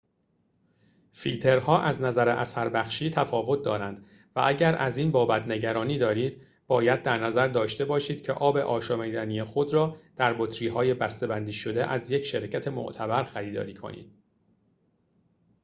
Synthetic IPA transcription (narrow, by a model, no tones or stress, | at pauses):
filt̪ʰe̞ɾhɒːʔæznæzæɾeʔæsæɾbæxʃiːt̪ʰæfɒːvo̞t̪̚d̪ɒːɾænd̪̥ | væʔæɟæɾæ̰ziːnbɒːbæt̪ʰne̞ɟæɾɒːniːd̪ɒːɾiːd̪ | b̥ɒːjæd̪̚ːæɾnæzæɾd̪ɒːʃt̪e̞bɒːʃiːd̪̚cʰḛʔɒːbeʔɒːʃɒːmid̪æniːjexod̪ɾɒːd̪̥æɾbot̪ʰɾiːɦɒːje̞bæst̪ebænd̪iːʃo̞d̪e̞ʔæzje̞cʰʃe̞ɾcʰæt̪ʰe̞mo̰ʔt̪ʰæbæɾxæɾiːd̪ɒ̰ːɾiːkʰo̰nḭːd̪̥̚